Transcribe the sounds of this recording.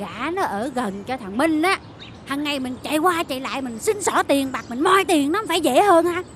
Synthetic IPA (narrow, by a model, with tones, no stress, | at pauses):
ɣaː˧˩˥nɔ˨˦ʔəː˧˩ɣə˨˩nt͡ɕɔ˧t̪ʰə˨˩ŋmï˧ŋ̟ʔaː˨˦ | haː˨˩ŋːa˨˩jmï˨˩ŋ̟t͡ɕa̰ː˧˨jkwaː˧t͡ɕa̰˧˨jla̰ː˧˨jmï˨˩ŋ̟sï˧nsɔ˧˩˦t̪i˨˩ənɓaː˨˩k̚mï˨˩ŋ̟mɔ˧jt̪i˨˩əŋnɔ˨˦faː˧˩jzḛ˧˥həː˧nʔaː˧